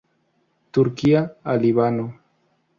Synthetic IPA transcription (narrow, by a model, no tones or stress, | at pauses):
t̪ʊɾkiaaliβano